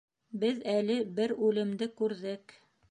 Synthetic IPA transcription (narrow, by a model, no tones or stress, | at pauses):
bɘðælɘbɘɾʉlɘ̆md̪ɘkʉɾðɘk